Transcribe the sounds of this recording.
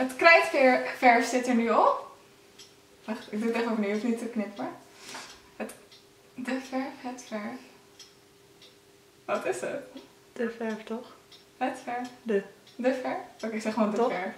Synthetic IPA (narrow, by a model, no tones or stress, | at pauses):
ɦətkrɛjtfɪɹfɛɹfsɪtəɹnyɔp | ɛχɪk̚dətɛχovəniufnitəknɪpmaɹ | ət | dəfɛɹfɦətfɛɹf | ʋɑtɪsət | d̥əfɛɹftɔχ | ɦətfɛɹfdədəfɛɹfokeɪksɛχoːndəfɛɹf